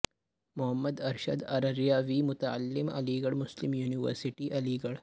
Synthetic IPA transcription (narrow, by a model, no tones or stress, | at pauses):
mʊɦəmːəd̪ɐɾʃəd̪ɐɾɐɾjaːʋiːmʊt̪ɐʕa̰lːɪmɐ̰liːɡɐɽmʊslɪmjuːniʋə̰ɾsɪʈiʔɐliːɡɐɽ